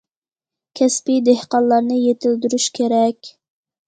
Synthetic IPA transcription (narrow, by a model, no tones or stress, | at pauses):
kʲʰɛspid̪ehqɑllːˠɑɾnɨjet̪ʰɪld̪yɾyʃkʲʰeɾɛkʲ